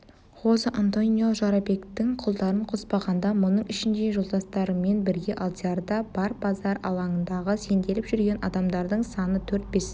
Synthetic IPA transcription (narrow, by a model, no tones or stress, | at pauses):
wo̞səʔant̪o̞nijo̞ʒɑɾɑbe̞kt̪ɪŋqʰʊlˠd̪ɑɾəɴqʰospɑʁɑnd̪ɑmʊnəɴɪʃɪnd̪e̞ʒolˠd̪ɑst̪ɑɾəme̞nbɪɾɡʲe̞ʔalˠt̪ʲeaɾd̪ɑb̥ɑɾbɑzɑɾɑ̰lˠɑɴənd̪ɑʁəse̞nd̪e̞lɪpʒ̥ʏɾɡʲe̞nʔɑ̰d̪ɑmd̪ɑɾd̪əɴsɑnət̪ʰɵɾt̪̚be̞s